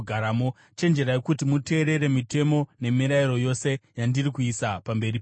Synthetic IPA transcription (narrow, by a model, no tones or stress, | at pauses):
ɡʱaɾamo | t͡ʃe̞nd͡ʒe̞ɾajekutimute̞ːɾe̞ɾe̞mite̞mo̞ne̞miɾaiɾo̞jo̞se̞jandirikuisapambe̞ɾip